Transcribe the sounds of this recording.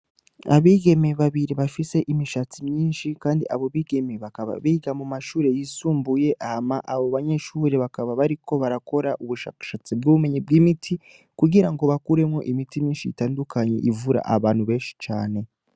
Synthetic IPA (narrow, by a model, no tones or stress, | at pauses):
a̰βiːɡe̞meβaβiɾiβafise̞ʔimiʃat͡simɲiːnʃikaːndiʔaβo̞βiːɡe̞meβakaβa̰βiːɡamumaʃuːɾe̞jisuːmbuje̞ʔahamaʔaβoβaɲe̞ʃuːɾeβakaβaβaɾiko̞βaɾako̞ɾaʔuβuʃa̰ːkḁʃaːt͡sib̚ɡuβume̞ɲib̚ɡiːmitʰi | kuɡiɾaŋɡo̞βakuɾe̞mŋo̞ʔimitimɲiːnʃiḭtaːndukʰaɲe̞̰ʔivuɾa̰ʔaβaːnhuβe̞ːnʃi̥t͡ʃaːne̞